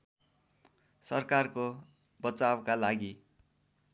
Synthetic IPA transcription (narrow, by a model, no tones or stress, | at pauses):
sʌrkarko | bʌt͡sawkalaɡi